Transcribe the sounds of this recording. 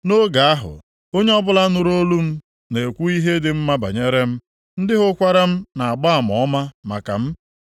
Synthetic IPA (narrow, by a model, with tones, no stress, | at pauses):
no˦ɡa˨a˦ɦʊ̰˨ | o˦ɲe˦ɔ˦bʊ˦la˦nʊ˨ɾo˦lu˦m̩˦ | ne˨kʷu˦i˦ɦe˦dɪ˨m̩˦ma˦ba̰˨ɲe˦ɾe˦m̩˦ | n̩˦dɪ˦ɦʊ˦kʷa˦ɾa˦m̩˦na˨a˨ɡ͡ba˦a˨mɔ˨˦ma˦ma̰˨ka̰˨m̩˦